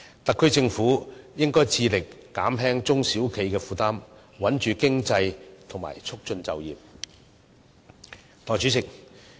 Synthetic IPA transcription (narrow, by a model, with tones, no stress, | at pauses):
t̪ɐ˨kʰːɵ˥ɥt͡sɪ˧ŋfuː˨˥jɪ˥ŋkɔː˥jt͡sʰiː˧lɪ˨kːaː˨˥mɦɛː˥ŋt͡sʊ˥ŋsiː˨˥wkʰe˨˥jkɛː˧fuː˨˧t̪aː˥m | wɐ˨˥nt͡ʃyː˨kɪ˥ŋt͡sɐ˧jt̪ʰʊ˨˩ŋma̰ː˨˩jt͡sʰʊ˥k̚t͡ʃɵ˧nt͡sɐ˨wjiː˨p̚ | t̪ʰɔː˨˩t͡ʃyː˨˥t͡sɪ˨k̚